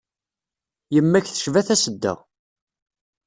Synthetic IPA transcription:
jəmːæçθə̥ʃvæθæsəd̪ːə̰ʁ

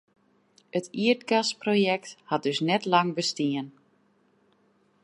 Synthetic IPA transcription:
ətʰiətɡasprojɛk̚that̚døsnɛtlaŋbəstiən

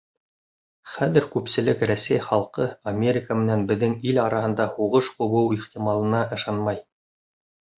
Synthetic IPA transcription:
χæðɘɾkʉpsɘ̆lɘkræsæjχɑlˠqɤɐmʲeɾʲɪkəmɘ̆nænbɘ̆ðːɘŋilɑɾɑhɤ̆nd̪ɑhuʁɤʃqŏβɤwiχt̪imɑlˠɤ̆nɑʔɤ̆ʃɑnmɑj

